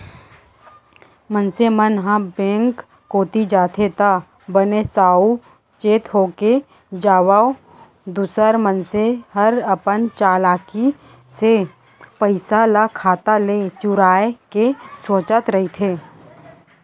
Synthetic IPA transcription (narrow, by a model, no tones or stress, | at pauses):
mənsemənɦãbẽːŋkː | oːt̪id͡ʒaːt̪ʰet̪a | bənesaːu | t͡ʃeːt̪ɦoːke | d͡ʒaːwaː | d̪ʊsəɾmənseɦəɾəpənt͡ʃaːlaːki | se | pəɪsalakʰaːt̪alet͡ʃʊɾaːekesoːt͡ʃət̪ɾɐɦit̪ʰeː